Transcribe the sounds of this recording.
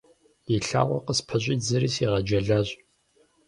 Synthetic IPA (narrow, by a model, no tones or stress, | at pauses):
iɬa̰ːʁʷɔqəspʰɐɕʷʼiːd͡zɨɾiːsiʁɐd͡ʒɐɮaːɕʼ